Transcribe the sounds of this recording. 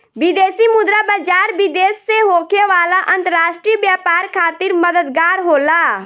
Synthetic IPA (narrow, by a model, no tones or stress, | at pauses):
bɪd̪eːsimʊd̪ɾabəd͡ʒaːɾbid̪eːsːeɦoːkʰeʋaːlaʔə̃nt̪əɾaːʃʈɾibjaːpaːɾkʰaːt̪ɪɾməd̪əd̪ɡaːɾɦoːlaː